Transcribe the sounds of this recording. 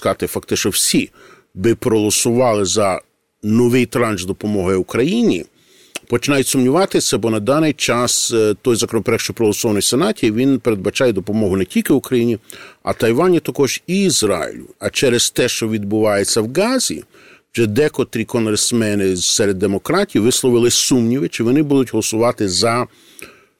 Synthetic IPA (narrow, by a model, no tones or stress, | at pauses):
kɑt̪ɪfɐkt̪ɪʃnɔwsʲi | bɪpɾɔɦɔlˠɔsʊʋɑlˠɪzɐ | nɔʋɪjt̪ɾɑnʒzd̪ɔpɔmɔɦɐjukɾɐjinʲi | pɔt͡ʃɪnɑjʊtʲsʊmnʲiʋɑt̪ɪsʲɐbɔnɐd̪ɑnɪjt͡ʃɑst̪ɔjzɐkɔnɔpeɾɛkʃt͡ʃɔjpɾɔɦɔlˠɔsɔʋɐnɔjsenɑtʲiiʋʲinpeɾed̪̚bɐt͡ʃɑjɛd̪ɔpɔmɔɦʊnɛtʲilʲkɪʊkɾɐjinʲiɐ̰t̪ɐjʋɑnʲit̪ɐkɔʒiːzɾɑ̰jɪ̰lʲʊɐt͡ʃɛɾest̪ɛʃt͡ʃɔʋʲid̪̚bʊʋɑjet͡sʲːɐwɡɑzʲḭ̥ | d͡ʒɛd̪ɛkɔt̪ɾʲikɔnɦɾesmɛnɪsɛɾed̪ːemɔkɾɑtʲiwʋɪslˠɔʋɪlˠɪsumnʲiʋɪt͡ʃɪʋɔnɪbud̪ʊtʲɦɔlˠɔsʊʋɑt̪ɪzɐ